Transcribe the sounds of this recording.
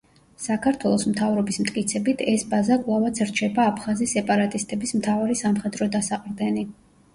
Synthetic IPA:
sakʰaɾt̪ʰwɛlˠɔsmt̪ʰavɾɔbismt̪ʼkʼit̪sʰɛbit̪ʰɛsbazakʼlˠavat̪sʰɾt͡ʃʰɛbaːpʰχazisɛpʼaɾat̪ʼist̪ʼɛbismt̪ʰavaɾisamχɛd̪ɾɔd̪asaqʼɾd̪ɛni

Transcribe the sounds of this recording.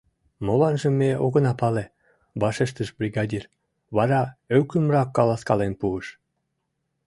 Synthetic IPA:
molɑnʒə̆meoɣə̆nɑpɑle | βɑʃeʃt̪əʃbrʲiɣɑdʲir | βɑɾɑøwkymrɑkːɑlɑskɑlenpuəʃ

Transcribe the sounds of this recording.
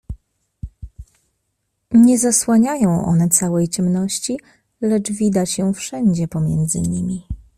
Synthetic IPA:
ɲɛzaswaɲajɔ̃w̃ʔɔ̰nɛt̪sawɛjt͡ɕɛmnɔɕt͡ɕi | lɛt͡ʂvʲid̪at͡ɕɛfʂɛɲd͡ʑɛpɔmʲjɛnd̪zɘ̰ɲimʲi

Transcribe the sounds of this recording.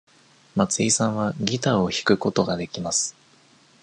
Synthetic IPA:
mat͡sɨisãɰ̃βaɡʲit̪ao̞çi̥kɯ̟ko̞t̪o̞ɡad̪e̞kʲimasɨ̥

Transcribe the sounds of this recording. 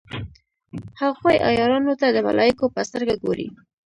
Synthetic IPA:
haxwojʔɑ̰jɑɾɑnot̪ad̪əma̰lʔɑjikopəst̪əɾɡaɡoɾḭ

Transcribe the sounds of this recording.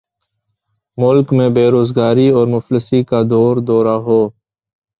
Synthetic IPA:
mʊlkmẽbeːɾoːzɡaːɾiɔːɾmʊfləsikad̪ɔːɾd̪ɔːɾaɦoː

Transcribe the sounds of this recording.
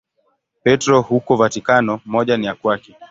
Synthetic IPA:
pɛtɾɔhukɔvatikanɔmɔʄanijakwaki

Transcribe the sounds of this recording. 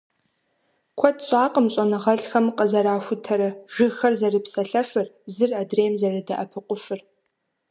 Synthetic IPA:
kʷʰɔtʰɕʼaːqʼəmɕʼɐnɨʁɐɮxɐmqəzɐɾaːxʷʊtʰɐɾɐʒɪxɐrzɐrɨpsɐɬɐfɨrzɨradreːmzɐrɨdɐʔɐpʰɨqʷʊfɨr

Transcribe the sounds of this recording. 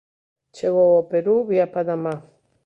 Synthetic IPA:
t͡ʃeɣowopeɾuβiapad̪ama

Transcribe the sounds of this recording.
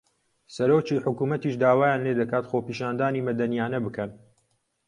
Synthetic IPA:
sɐɾoːt͡ʃiːħʊkuːmɐt̪iːʃd̪aːwaːjaːnleːd̪ɐkaːt̪xoːpiːʃaːnd̪aːniːmɐd̪ɐnijaːnɐbɨkɐn

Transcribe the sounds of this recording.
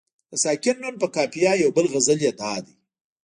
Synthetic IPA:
d̪̥əsɑkɪnːunpəkɑpijɑjawbəlɣəzəljed̪ɑːd̪i

